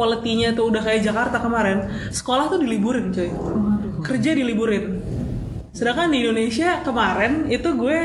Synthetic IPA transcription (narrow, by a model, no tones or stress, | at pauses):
olət̪iɲait̪uudahkajad͡ʒakart̪akəmaɾɪn | sə̥kolaht̪udilibuɾɪnt͡ʃaikərd͡ʒadilibuɾɪn | sədakandiindonesiakəmaɾɛnit̪uɡuɛ